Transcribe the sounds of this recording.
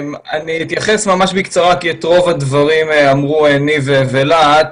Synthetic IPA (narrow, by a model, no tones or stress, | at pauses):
maniit̪jaχesmamaʃbikt͡saʁakiet̪ʁo̞vad̪vaʁimamʁuenivevelat